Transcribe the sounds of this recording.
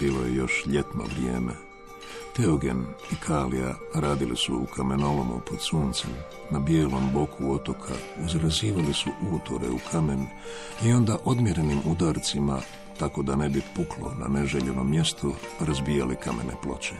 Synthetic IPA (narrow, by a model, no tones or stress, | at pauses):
biːlo̞je̞̰jo̞ʃʎe̞t̪no̞̰ʋɾije̞̰ːme | t̪eoɡe̞̰nikʰaːlḭja̰ | ɾaːd̪ilʔisuukʰame̞no̞lomṵpod̪suːnt̪sem | nabjeːlo̞mbo̞kʰuo̞t̪o̞kʰa̰izɾaziːʋalisuʔunut̪oɾḛukʰame̞n | io̞nd̪aʔo̞d̪mje̞ɾe̞nimud̪aːɾt̪sima̰ | t̪ako̞d̪ane̞bipuklo̞̰na̰ne̞ʒeʎe̞no̞mːje̞st̪ʰoɾazbiːjalikame̞ne̞plo̞t͡ɕe̥